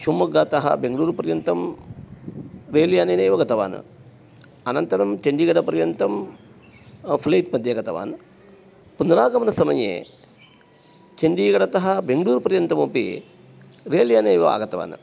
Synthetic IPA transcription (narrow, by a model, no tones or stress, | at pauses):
ʃumːɐɡːaːt̪ɐɦɐ̰beŋɡɭuːɾpɐɾjɐnt̪ɐm | ɾeːljaːneːneːʋɐɡɐt̪ɐʋa̰ːnɨ̰ | ɐnɐnt̪ɐɾɐmt͡ʃɐɳɖiːɡɐɽɐpɐɾjɐnt̪ɐm | pʰlɐːt̪̚pɐd̪jɐɡɐt̪ɐʋa̰ːn | pund̪ɐɾaːɡɐmɐnɐsɐmɐjḛː | t͡ʃɐɳɖiːɡɐɽɐt̪ɐɦɐbeŋɡɽuːɾpɐɾjɐnt̪ɐmopḭ | ɾeːljaːneːʋɐa̰ːɡɐt̪ɐʋa̰ːn